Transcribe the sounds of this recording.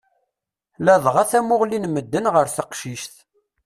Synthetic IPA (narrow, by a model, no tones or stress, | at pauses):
læðˤʁaθæmʊʁlinməd̪ːənʁəɾθəqʃiʃθ